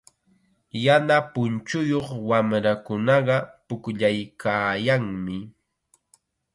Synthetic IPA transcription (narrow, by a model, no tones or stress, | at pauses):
janapʊnt͡ʃʊjoχwamɾakʊnɑɢɑpʊkʎajkʰaːjaŋmɪ